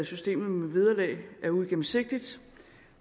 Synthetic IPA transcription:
sysd̥e̝̰ːmð̩ˠmeʋið̞ˠɐlɛ̰ɪʔæɐuɡ̥em̩se̝ɡ̥̚d̥id̥

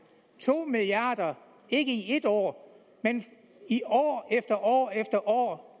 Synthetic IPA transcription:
t͡sʰo̝̰ːmiliɑ̈ːd̥ɐ | e̝ɡ̥əie̝d̥ɒ̰ː | men | iɒ̰ːefd̥ɐʔɒ̰ːefd̥ɐʔɒ̰ː

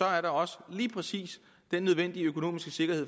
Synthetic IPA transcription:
ɒ̽æɐɾɑ̈ɒ̽səliːpʰʁɛsḭːs | d̥enːøð̞ˠʋen̰d̥iəøkʰo̝no̝̰ːmisɡ̥əse̝ɡ̥ɐɦhe̝ð̰ˠ

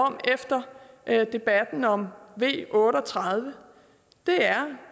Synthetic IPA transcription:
ɒ̽m̰efd̥ɐ | ʔd̥e̝b̥æd̥n̩ɒ̽mʋe̝̰ːʔɔ̽ːɾəɒt͡sʰʁɑð̞ˠʋə | d̥e̝æɐ

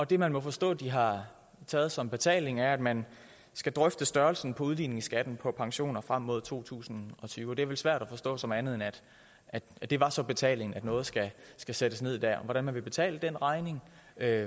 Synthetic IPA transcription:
ɒ̽d̥e̝mænmɒ̽fɒ̽sd̥ɔ̰̽ːd̥iɦɑ̈ | t͡sʰɛːð̞̩ˠsɒ̽mb̥e̝t͡sʰɛ̰ːle̝ŋæɐæd̥mæn | sɡ̥æd̥ʁœfd̥əsd̥ɶɐlsn̩pʰɒ̽uð̞ˠlḭːne̝ŋsɡ̥æd̥n̩pʰɒ̽pʰɑ̈ŋɕo̝̰ːnɐfʁam̰ːo̝ð̞̰ˠt͡sʰo̝̰ːt͡sʰṵːsn̩ɒ̽t͡sʰyːʊd̥e̝æɐʋelsʋæɐ̰ɾ̥æfɒ̽sd̥ɔ̰̽ːsɒ̽mænð̩ˠenæd̥ | ʔæd̥d̥e̝ʋɑ̈sɒ̽b̥e̝t͡sʰɛ̰ːle̝ŋn̩æd̥nɔ̽ːð̞̩ˠsɡ̥æsɡ̥æsed̥əsne̝ð̞̰id̥æ̰ɐ̰ɒʋɒ̽ɾ̥ænmænʋe̝b̥e̝t͡sʰɛ̰ːləd̥enʁɑ̈ɪne̝ŋø

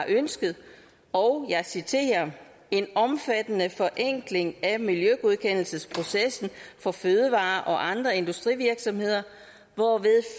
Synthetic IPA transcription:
ʔønsɡ̥əð̩ˠ | ɒ̽ʊjɑ̈ɪsit͡sʰe̝̰ːɐ | e̝nɒ̽mfæd̥ənəfɒ̽ʔeŋ̰ɡ̥le̝ŋæmiljøɡ̥oð̞ˠkʰen̰l̩səspʰʁo̝sesn̩fɒ̽føːðˠəʋɑ̰̈ːʔɒ̽ʔɑ̈nd̥ʁɐe̝nd̥usd̥ʁiʋiɐɡ̥sɒ̽mhe̝ð̞̰ˠɐ | ʋɒʋe̝ðˠ

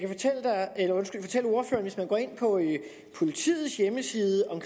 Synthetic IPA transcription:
kʰæfɒ̽t͡sʰel̰əd̥ɑ̈elɐɔ̽nsɡ̥ylfɒ̽t͡sʰel̰o̝ɐfø̰ːɐnʋe̝smænɡ̥ɒ̰ːe̝n̰pʰɒ̽ | pʰo̝lit͡sʰḭːð̩ˠsjeməsiːðˠəʔɒ̽mkʰ

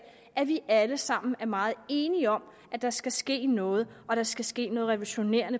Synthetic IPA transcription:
ʔæʋiʔæləsɑ̈m̰n̩æɐmɑ̈ːð̩ˠe̝ːniəɒ̽m̰ | ʔæd̥ɑ̈sɡ̥æsɡ̥e̝̰ːnɔ̽ːð̞̩ˠʔɒ̽ɾ̥ɑ̈sɡ̥æsɡ̥e̝̰ːnɔ̽ːð̞̩ˠʁɛʋolɕo̝ne̝̰ːɐ̰nə

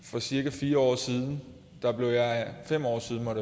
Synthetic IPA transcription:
fɒ̽siɐɡ̥æfiːɐɒ̰ːsiːð̞ˠn̩ | d̥ɑ̈b̥le̝ʊjɑ̈ɪfem̰ɒ̰ːsiðˠn̩mɒɾe

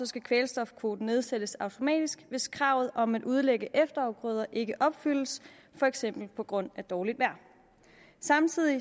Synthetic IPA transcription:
ɒ̽sɡ̥ækʰʋeːlsd̥ɒ̽fkʰʋo̝ːd̥n̩ne̝ð̞ˠsed̥əsɑ̈ʊt͡sʰo̝mɛ̰ːd̥isɡ̥ʋe̝skʰʁɑ̈ʊ̰ð̞̩ˠʔɒ̽mædʔuð̞ˠleɡ̥əʔefd̥ɐɑ̈ʊɡ̥ʁœð̞ˠɐʔe̝ɡ̥əʔɒ̽b̥fyl̰̩s | fɒ̽eɡ̥sem̰b̥l̩pʰɒ̽ɡ̥ʁɔ̽n̰æd̥ɒːlid̥ʋæɐ̰ | sɑ̈mt͡sʰið̞̰ˠi

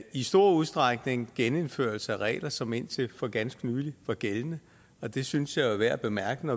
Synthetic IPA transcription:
isd̥o̝ɐ̰uð̞ˠsd̥ʁɑɡ̥ne̝ŋɡ̥ene̝nføɐ̰lsəæʁɛ̰ːlɐsɒ̽me̝n̰t͡sʰe̝lfɒ̽ɡ̥ænsɡ̥nyːliʋɒɡ̥elnə | ɒ̽d̥e̝synsjɑ̈ɪʋæɐ̰b̥e̝mæɐɡ̥ən̩ɒ

